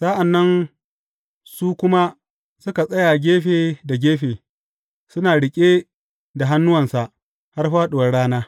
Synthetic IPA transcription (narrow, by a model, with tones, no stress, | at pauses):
sa˦ʔa˨nːɐ˦n | suː˦kʷʊ˦ma˦ | sʊ˦ka˨sʼɐ˦jaː˨ɡʲeː˦ɸeː˨da˨ɡʲeː˦ɸeː˨ | sʊ˦naː˨ɽɪ˨kʲʼe˦ | da˨ɦa˦nːʊ˦wɐ˨nsa˨ʔ | ha˦rɸaː˦ɗʊ˨wɐ˨ɽaː˦naː˦